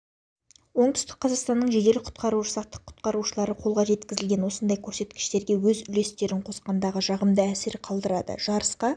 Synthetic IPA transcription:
wo̞ɴt̪ʏst̪ɪk̚qʰɑzɑʁst̪ɑnːəɴʒe̞d̪e̞lɪqʰʊ̥t̪qɑɾuʃəsɑqt̪ːə̥qʰːʊ̥t̪̚qɑɾuʃəlˠɑɾəqʰo̞lˠʁɑʒe̞t̪kʲɪzɪlɡʲe̞nwo̞sənd̪ɑjkʲʰɵɾse̞t̪kʲɪ̥ʃt̪e̞ɾɡʲe̞wɵzʏle̞st̪e̞ɾɪɴqʰo̞sqɑnd̪ɑʁəʒɑʁəmd̪əæsɪɾqʰɑlˠd̪əɾɑd̪ə̰ʒɑɾəsqɑ

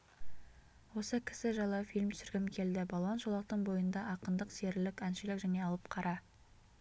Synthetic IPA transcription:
wo̞səkʲʰɪ̥sɪʒɑlˠɑfijlʲmt̪ʰsɪɾɡʲɪmkʲʰe̞ld̪ɪbɑlˠonʒolˠɑq̚t̪əɴbo̞jənd̪ɑʔɑqənd̪əqse̞ɾɪlɪkænʃɪlɪkʒæne̞ɑlˠəpqʰɑɾʔɑ

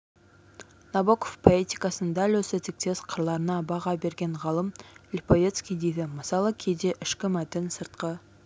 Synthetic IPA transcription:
nɑbokofpʰo̞et̪ikɑsənd̪ɑlɵsɪt̪ɪk̚t̪e̞sqʰəɾlˠɑɾənɑbɑʁɑbe̞ɾɡʲe̞ɴʁɑlˠəmlʲpovʲet̪skʲijd̪e̞jd̪ɪməsɑlˠəkʲʰejd̪e̞ʔɪʃkʲɪmæt̪ɪnsəɾt̪qə

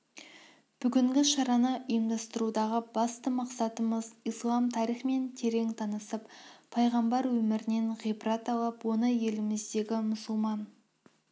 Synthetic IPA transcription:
b̥ʏɡʲɪŋɡʲɪʃɑɾɑnəʔʊjəmd̪ɑst̪əɾud̪ɑʁəbɑst̪əmɑqsɑt̪əməzijslˠɑmt̪ʰɑɾijχme̞nt̪ʰe̞ɾe̞ŋt̪ʰɑnəsəppʰːɑjʁɑmbɑɾwɵmɪɾɪneɴʁijbɾɑt̪ɑlˠəpwo̞nəje̞lɪmɪzd̪e̞ɡʲɪmʊsʊlˠmɑn

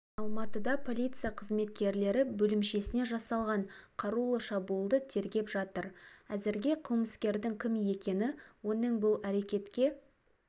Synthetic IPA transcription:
ɑlˠmɑt̪əd̪ɑpʰo̞lʲit̪sɨjaqʰəzme̞t̪kʲe̞ɾle̞ɾɪbɵlɪmʃe̞sɪne̞ʒɑsɑlˠʁɑɴqʰɑɾulˠəʃɑbuəlˠd̪ət̪ʰe̞ɾɡʲe̞pʒɑt̪əɾæzɪɾɡʲe̞qʰəlˠməskʲe̞ɾd̪ɪŋkʲʰɪmje̞kʲe̞nɪwo̞nəɴbʊlˠæɾe̞kʲe̞t̪kʲe̞

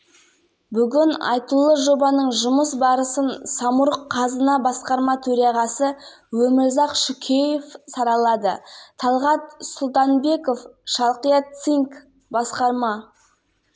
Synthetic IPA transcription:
bʏɡʲɪnɑ̰jt̪ulˠəʒo̞bɑnəɴʒʊməs̬bɑɾəsənsɑmʊɾəqʰːɑzənɑbɑsqɑɾmɑt̪ʰɵɾɑʁɑsə | wɵmɪɾzɑqʃʏkʲʰejefsɑɾɑlˠɑd̪ət̪ʰɑlˠʁɑt̪sʊlˠt̪ɑnbe̞ko̞fʃɑlˠqijɑt̪siŋk | bɑsqɑɾmɑ

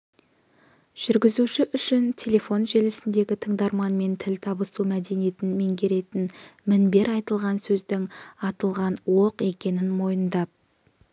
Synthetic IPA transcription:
ʒ̥ʏɾɡʲɪzuʃɪʔʏʃɪnt̪ʲʰe̞lʲe̞fo̞nʒe̞lɪsɪnd̪e̞ɡʲɪt̪ʰəɴd̪ɑɾmɑnme̞nt̪ʰɪlʲt̪ʰɑbəsumæd̪e̞nije̞t̪ɪnme̞ŋɡʲe̞ɾe̞t̪ɪnmɪnbe̞ɾɑjt̪əlˠʁɑnsɵzd̪ɪŋɑt̪əlˠʁɑnwoqe̞kʲe̞nɪnmo̞jənd̪ɑp̚

